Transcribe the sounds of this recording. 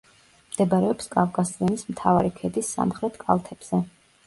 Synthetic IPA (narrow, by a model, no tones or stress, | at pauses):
md̪̥ɛbaɾɛɔpskʼavkʼasiɛnismt̪ʰavaɾikʰɛd̪isːa̰mχɾɛt̪ʰkʼa̰lˠt̪ʰɛb̥z̥ɛ